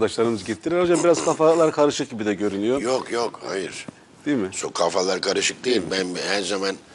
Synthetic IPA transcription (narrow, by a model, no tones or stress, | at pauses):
d̪aʃlˠaɾɯnɯzɟit̪ʰːiɾiɾond͡ʒabiɾazkʰafalˠaɾkʰaɾɯʃɯk̚ɟibid̪ɛɟø̞ɾynyjojokjokha̰jɯɾ̥ | d̪̥iimɪsokʰafalˠaɾkʰaɾɯʃɯk̚d̪ejilʲbænbhæɾzaman